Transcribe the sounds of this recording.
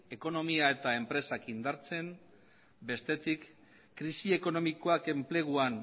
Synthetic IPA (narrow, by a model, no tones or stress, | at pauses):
e̞ko̞no̞miae̞t̪ae̞mpɾe̞sakind̪aɾt͡se̞n | be̞st̪e̞t̪ikː | ɾisie̞ko̞no̞miko̞ake̞mple̞ɣ̞uan